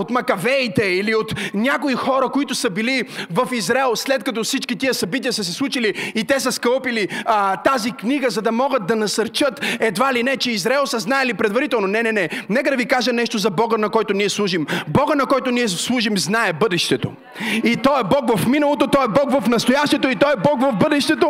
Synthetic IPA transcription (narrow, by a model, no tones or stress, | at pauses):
ot̪mɐkɐvɛit̪ɛiliot̪nʲakoixɔɾəkoit̪ʊsɐbilivɐfizɾɛlˠslɛt̪̚kɐt̪ɔfsit͡ʃkit̪iəsɐbit̪ijəsəs̬ɛslˠut͡ʃiliit̪ɛsəskəlˠpilit̪azikniɡəzɐd̪ɐmɔɡət̪̚d̪ɐnɐsɐɾt͡ʃət̪ɛd̪valinɛt͡ʃɛizɾaɛlˠsɐznaɛlipɾɛd̪vɐɾit̪ɛlˠnonɛnɛnɛnɛkəd̪ɐvikaʒənɛʃt̪ozɐbɔɡənɐkɔjt̪ʊniɛslˠuʒimbɔɡənɐkɔjt̪ʊniɛslˠuʒimznaɛbɤd̪ɛʃt̪ɛt̪o̰ | it̪ɔɛbɔkvɐfminɐlˠot̪ot̪ɔɛbɔkvɐfnɐst̪ojaʃt̪ɛt̪oit̪ɔɛbɔkvɐvbɤd̪ɛʃt̪ɛt̪o